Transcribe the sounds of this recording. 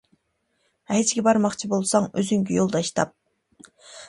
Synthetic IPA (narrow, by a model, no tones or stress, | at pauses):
ɛet͡ʃʰɡʲɛbɑɾmɑχt͡ʃʰibolˠsɑŋøzyŋkʲijolˠd̪ɑʃt̪ʰɑ̰p̚